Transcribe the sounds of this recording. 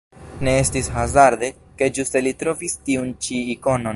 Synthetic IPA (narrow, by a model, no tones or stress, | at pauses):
ne̞e̞stishazaɾd̪e̞ | ke̞d͡ʒuste̞litɾo̞vistiunt͡ʃiːko̞no̞n